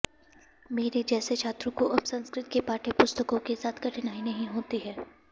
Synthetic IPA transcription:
meːɾed͡ʒɛːset͡ʃʰaːt̪ɾõkoʔɐbsɐ̃nskɾɪt̪̚kepaːʈʰepʊst̪əkõkesaːt̪ʰkɐʈʰɪnaːinɐɦĩɦoːt̪iɦɛː

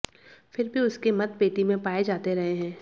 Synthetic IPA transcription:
fɪɾbʱiʊskemɐd̪̚peːʈimẽpaːed͡ʒaːt̪eɾɐɦeɦɛ̃ː

